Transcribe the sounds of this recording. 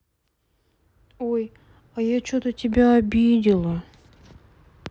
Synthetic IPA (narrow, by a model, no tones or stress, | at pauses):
oj | ajat͡ɕot̪ətʲɪbʲaɐbʲid̪ʲɪlˠə